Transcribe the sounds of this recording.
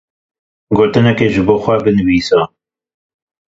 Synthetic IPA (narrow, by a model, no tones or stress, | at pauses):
ɡoːt̪ɨnɛkeːʒɨboːxʷɛbɨnɨwiːsɑ